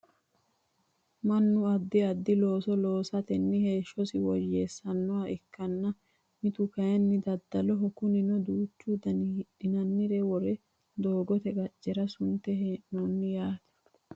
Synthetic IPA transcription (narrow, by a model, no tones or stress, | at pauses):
mɐnːʊɐd̪ːɪɐd̪ːɪlo̞ːsɔlo̞ːsɐt̪ɛnːɪhe̞ːʃːɔsɪwɔjeːsːɐnːɔwaɛkːɐnːɐ | mɪt̪ʊkɐjɛnːɪd̪ɐd̪ːɐlɔɦɔkʊnɪnɔd̪uːt͡ʃːud̪ɐnɪhɪᶑɪnɐnːɪɾɛwɔɾɛ | d̪o̞ːɡɔt̪ɛɡɐt͡ʃʼːɛɾɐsʊnt̪ɛɦenɔːnːɪjaːt̪ɛ̥